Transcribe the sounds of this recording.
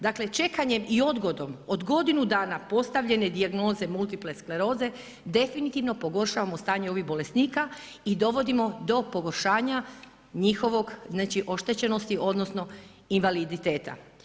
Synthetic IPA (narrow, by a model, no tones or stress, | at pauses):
d̪akle̞t͡ʃe̞kaɲe̞mio̞d̪ɡo̞d̪o̞mo̞d̪ɡo̞d̪inud̪aːnapo̞st̪aʋʎe̞ne̞d̪iaɡno̞ːze̞mult̪ipleskleɾo̞ːze̞ | d̪e̞finit̪iʋno̞po̞ɡo̞ɾʃaːʋamo̞st̪aːɲe̞o̞ʋiɣbo̞le̞st̪niːka | id̪o̞ʋo̞d̪imo̞d̪o̞po̞ɡo̞ɾʃaːɲa | ɲixo̞ʋo̞ɡznaːt͡ʃiʔo̞ʃt̪e̞t͡ɕe̞no̞st̪io̞d̪nosno̞ | inʋalid̪it̪e̞ːt̪a̰